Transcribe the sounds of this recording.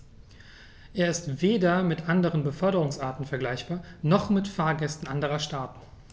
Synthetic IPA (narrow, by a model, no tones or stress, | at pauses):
ʔeːɐɪstv̥eːdɐmɪtʔandəʁ̞ənbəfœɐɾəʁʊŋsʔaɐtn̩fɛɐɡlaɪçb̥aːɐnɔχmɪtfaːɐɡɛstn̩ʔandəʁɐʃtaːtn̩